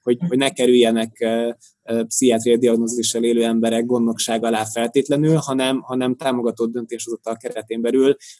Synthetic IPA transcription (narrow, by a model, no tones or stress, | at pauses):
ho̞ɟho̞ɟnɛkɛɾyjːɛnɛk | psiaːt̪rijɒd̪iɒɡnoziʃːɛleːløːɛmbɛɾɛɡ̚ɡo̞nd̪o̞kʃaːɡɒlaːfɛlt̪eːt̪lɛnylhɒnɛmɦɒnɛmt̪aːmo̞ɡɒt̪od̪̚ːø̞nt̪eːʃɒzot̪ːɒlkɛɾɛt̪eːmbɛlyl